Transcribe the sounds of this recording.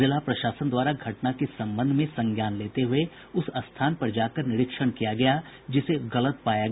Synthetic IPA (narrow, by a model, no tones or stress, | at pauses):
ɪlapɾɐʃaːsənd̪waːɾaɡʱɐʈnakesɐ̃mbə̃nd̪ʱmẽsɐ̃ŋɡjaːnleːt̪eɦʊe | ʊsɐst̪ʰaːnpɐɾd͡ʒaːkəɾnɪɾɪkʃəɽ̃kijaɡɐjad͡ʒɪseɣɐlət̪̚paːja